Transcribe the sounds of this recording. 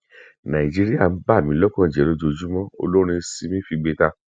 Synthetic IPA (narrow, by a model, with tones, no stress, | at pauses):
nã˨i˨d͡ʒi˦ɾi˦a˦˨n̩˦ba˦˨mĩ˨˦lɔ˦kɔ̃˦˨d͡ʒɛ˨˦ɾo˦d͡ʒo˧d͡ʒu˦mɔ̃˦o̰˧lo˦ɾ̃ĩ˧si˦mĩ˦fi˧ɡ͡be˧ta˧